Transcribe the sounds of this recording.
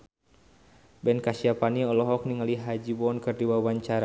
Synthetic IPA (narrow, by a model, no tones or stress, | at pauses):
bɛnkasiapaniɔlɔɦɔk̚niŋaliɦad͡ʒibɔnkɨrdiwawaɲt͡ʃaɾa